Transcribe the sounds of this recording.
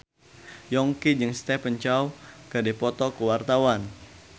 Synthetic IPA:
jɔŋkid͡ʒɨŋst̪ɛpəɲt͡ʃawkədipɔt̪ɔkəwart̪awan

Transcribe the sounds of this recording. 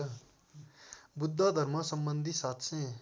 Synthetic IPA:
bʊd̪ʱːad̪ʱəɾmasəmbənd̪ʱisaːt̪ʰsẽ

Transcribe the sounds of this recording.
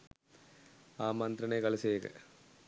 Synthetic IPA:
aːmɐnd̪ɾɐneːkɐlɐsekɐ̰

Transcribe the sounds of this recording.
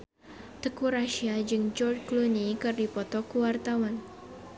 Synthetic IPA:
t̪əkuɾaʃiad͡ʒɨŋd͡ʒɔrdklunikɨrdipɔt̪ɔkuwart̪awan

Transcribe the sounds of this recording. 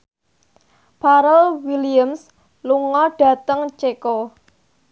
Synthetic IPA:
paɾəlwiliəms | luŋɔɖ̥ä̤t̪əŋt͡ʃeko

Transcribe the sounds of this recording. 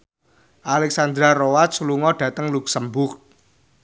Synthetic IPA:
ʔalɛksand̪ɾaɾowat̪̚sluŋɔɖ̥ä̤t̪əŋluk̚səmbʊk

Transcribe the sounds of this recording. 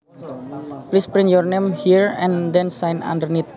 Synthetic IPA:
plispɾiŋjɔrnemhiɹɛ̃nd̪ɛnsajnã̰ndərnit̪̚

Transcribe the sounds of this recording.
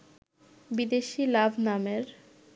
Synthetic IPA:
bid̪eʃilabʱnameɾ

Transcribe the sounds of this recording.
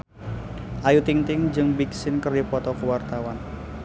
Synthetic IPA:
ʔajut̪iŋt̪ɪŋd͡ʒɨŋbiksɪnkərdipɔt̪ɔkuwart̪awan

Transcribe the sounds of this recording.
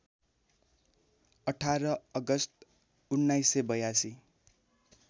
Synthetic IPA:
ʌʈʰaɾʌʌɡʌst̪̚ | unːajsebʌjasi

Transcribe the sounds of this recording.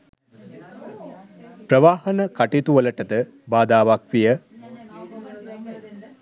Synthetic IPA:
pɾəʋaːhɐnəkaʈit̪uʋələʈət̪ə | baːd̪aːʋak̚ʋijə

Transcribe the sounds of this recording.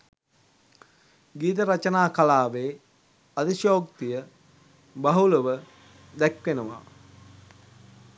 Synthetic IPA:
ɡiːt̪̬əɾat͡ʃɐnaːkalaːʋeː | ɐd̪iʃoːkt̪ijə | bɐɦuləʋə | d̪ækʋenəʋa̰

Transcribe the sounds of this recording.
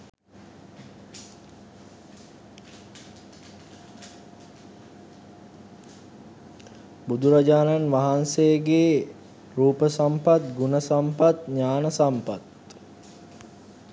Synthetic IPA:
bud̪uɾad͡ʒaːnanʋaɦansejɡeː | ɾuːpəsampat̪ɡunəsampat̪ɲaːnəsampat̪

